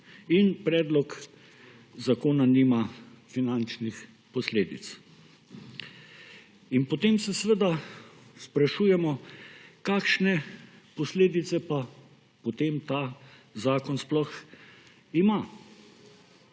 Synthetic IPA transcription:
inpɾɛːd̪lɔk | zakoːnanima | finant͡ʃnix | pɔsleːd̪ḭt̪s | inpɔt̪eːmsɛsʋəd̪aspɾaʃuːjɛmɔkaːkʃnɛpɔsleːd̪it̪sɛpa | pot̪emt̪azaːkɔnsplɔx | ima

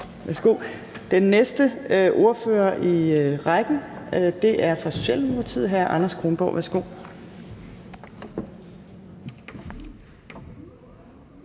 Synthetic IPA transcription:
ʋæɐsɡ̥o̝̰ː | d̥enːesd̥əʔo̝ɐfø̰ːɐʔiʁɑɡ̥n̩d̥e̝ʔæɐfɒ̽so̝ɕḛlnoɐt͡sʰið̰ˠɦæɐʔɑ̈nɐsɡ̥ʁonb̥ɒ̰ʋʔæɐsɡ̥o̝̰ː

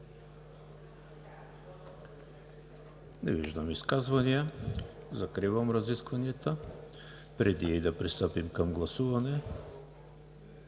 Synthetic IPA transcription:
nɛviʒd̪amiskazvanija | zakɾivamɾaziskvaniɛt̪a | pɾɛd̪iɛid̪apɾist̪əpimkamɡlˠasuvanɛ

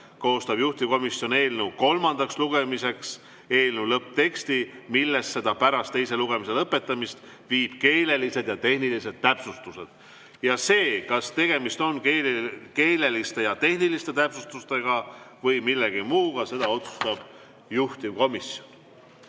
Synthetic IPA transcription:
ko̞ːst̪ɑb̥juht̪imko̞misjo̞ne̞ːlnewko̞lmɑnd̪̥ɑksluɡ̥e̞mise̞ks | e̞ːlnulɤpːt̪e̞kst̪imilːe̞st̪se̞d̪̥ɑpæɾɑst̪ːe̞jse̞luɡ̥e̞mise̞lɤpːe̞t̪ːˑɑmist̪ | viːb̥ke̞ːle̞lise̞d̪̥jɑt̪e̞hnilise̞d̪̥̚t̪æpsust̪use̞d̪̥ | jɑse̞ːkɑst̪e̞ɡ̥e̞mist̪o̞nkeke̞ːle̞list̪e̞jɑt̪e̞hnilist̪e̞t̪æpsust̪ust̪e̞ɡ̥ɑvɤjmilːeɡ̥imuːɡ̥ɑse̞d̪ɑo̞t̪su̥st̪ɑb̥ | juht̪imko̞misjo̞n

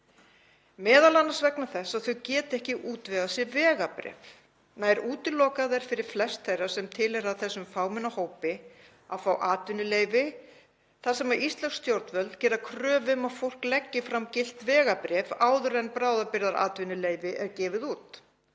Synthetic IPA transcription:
mɛːðalanːasvɛknaθɛsːaðθœɥcɛːt̪ɛhcɪʔuːt̪vɛɣasjɛvɛːɣapɾɛ̰ːf | najɛɾuːt̪ɪlːɔːkaðɛɾ̥fɪɾɪɾ̥flɛst̪θejrːasɛmt̪ʰɪlɛɾaðθɛsːʏmfaːwmɪnːahoːwpɪ | aðfawʔaːt̪vɪnʏleːjvɪ | θaðsɛmaʔist̪lɛwst̪jowɾt̪nvœlt̪cɛːɾakʰɾœːvʏmafowl̥klɛcːɪfɾamcɪl̥t̪vɛːɣapɾɛːvaːwðʏɾɛnpɾaːwðapɪɾðaɾa̰ːt̪vɪnʏleːjvɪʔɛɾcɛːvɪðuːt̪

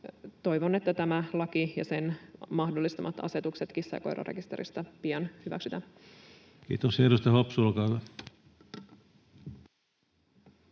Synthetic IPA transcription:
t̪o̞jʋo̞ne̞t̪ːæt̪æmælɑkijɑse̞nmɑhdolːist̪ɑmɑt̪ɑ̰se̞t̪ukse̞t̪kisːɑ̰ko̰ɾo̰rʔekist̪e̞ɾḭst̪ɑpiɑnhyʋæ̰ksyt̪æ | kḭːt̪osherost̪ɑhɑpsulkɑʋe

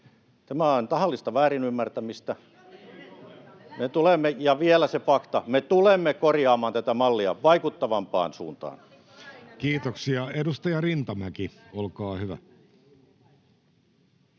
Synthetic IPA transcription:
t̪æmæont̪ɑhɑlːist̪ɑʋæːrinymːært̪æmist̪æ | met̪ulemːejɑʋielæsefɑkt̪ɑmet̪ulemːekorjɑːmɑːnt̪æt̪æmɑlːiɑ̰ʋɑikut̪ːɑʋɑmpɑ̰ːnsṵːnt̪ɑ̰ːn | kiːt̪oksiɑedust̪ɑjɑrint̪ɑmækiolkɑːhyʋæ̰

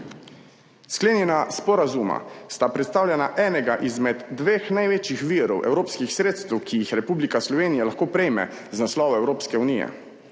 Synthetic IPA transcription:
skleːnjɛnaspɔɾazuma̰st̪apɾɛt̪st̪aːwlʲjɛnaʔɛːnɛɡaʔizmɛd̪ːʋeːxnajʋeːt͡ʃjixʋiːɾɔwʔɛ̰wɾoːpskixsɾeːt̪st̪ɛwkʰijixɾɛpuːblikaslɔʋeːnijalaxkoːpɾɛjmɛ̰ | znaslɔːʋɔɛwɾoːpskɛunijɛ̰

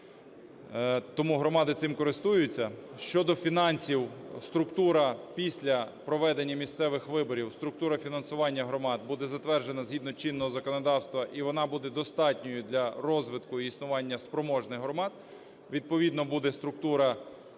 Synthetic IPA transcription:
t̪ɔmuɦɾɔmɑd̪ɪt̪sɪmkɔɾɪst̪ujʊt͡sʲːɐʃt͡ʃɔd̪ɔfʲinɑnʲsʲiwst̪ɾʊkt̪uɾɐpʲisʲlʲɐpɾɔʋɛd̪enʲːɐmʲist̪sɛʋɪxʋɪbɔɾʲiwst̪ɾʊk̚t̪uɾɐfʲinɐnsʊʋɑnʲːɐɦɾɔmɑd̪̚bud̪ɛzɐt̪ʋɛrʒenɐzʲɦid̪nɔt͡ʃinːɔɦɔzɐkɔnɔd̪ɑwst̪ʋɐʔiʋɔnɑbud̪ɛd̪ɔst̪ɑtʲnʲɔjʊd̪lʲɐɾɔzʋɪt̪kʊiːsnʊʋɑnʲːɐspɾɔmɔʒnɪɦɾɔmɑd̪̚ | ʋʲid̪̚pɔʋʲid̪nɔbud̪ɛst̪ɾʊk̚t̪uɾɐ

